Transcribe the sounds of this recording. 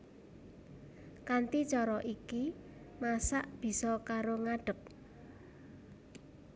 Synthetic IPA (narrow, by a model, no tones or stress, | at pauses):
kant̪it͡ʃɔɾɔʔiki | masaʔb̥i̤sɔkaɾoŋaɖ̥ək̚